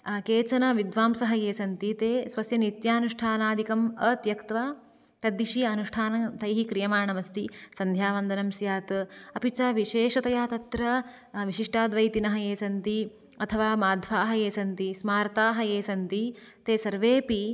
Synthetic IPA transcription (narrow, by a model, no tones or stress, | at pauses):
keːt͡ʃɐnɐʋid̪ʋaːmsɐɦɐjeːsɐnt̪it̪eːsʋɐsjɐnit̪jaːnuʂʈʰaːnaːd̪ikɐmɐt̪jɐkt̪ʋaː | k̪ɐd̪iʃiɐnuʂʈʰaːnɐt̪ɐjɦikɾijɐmaːɳɐmɐst̪isɐnd̪ʱjaːʋɐnd̪ɐnɐmsjaːt̪ɐpit͡ʃaːʋiʃeːʃɐt̪ɐjaːt̪ɐt̪ɾɐ | ʋiʃiʂʈʰaːd̪ʋɐjt̪inɐɦɐjeːsɐnt̪i | ɐt̪ʰɐʋaːmaːd̪ʱʋaːɦɐeːsɐnt̪ismaːɾɐt̪aːɦɐjeːsɐnt̪it̪eːsɐɾʋeːpi